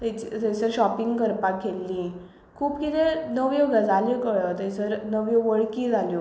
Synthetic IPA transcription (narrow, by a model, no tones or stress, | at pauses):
t̪et͡ɕit̪et͡səɾɕɔpiŋɡkəɾpakʰːelːĩ | kʰuːpkit̪ɛnəʋjoɡad͡zʱaljəkəɭət̪esəɾnəʋjoʋəɭkid͡zʱaljo